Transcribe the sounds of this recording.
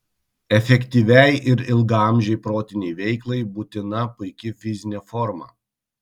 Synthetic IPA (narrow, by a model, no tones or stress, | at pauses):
ɛfʲɛkʲt̪ʲiːʋʲɛjʔɪɾɪlˠɡɑmʲʒʲɛɪpɾoːt̪ʲɪnʲɛɪʋʲɛɪklˠɐɪbuːt̪ʲɪnɐpʊɪkʲɪfʲɪzʲɪnʲefɔɾmɑ̰ː